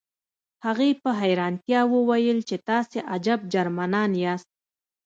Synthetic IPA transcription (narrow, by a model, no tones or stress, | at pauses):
haɣepəɦajɾɑnt̪jɑwəwajəlt͡ʃet̪ɑseʔad͡ʒab̚d͡ʒaɾmanɑnjɑst̪̚